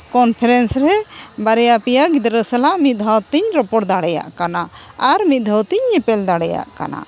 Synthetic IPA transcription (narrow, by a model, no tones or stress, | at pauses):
kɔnpʰɛɾɛnsɾɛ | baɾɛjapɛjaɡid̪ɾəsɛlaʔmit̪̚d̪ʱawt̪iɲɾɔpɔɽd̪aɽɛja̰ʔkana | aɾmit̪̚d̪ʱawt̪iɲːɛpɛld̪aɽɛja̰ʔka̰na̰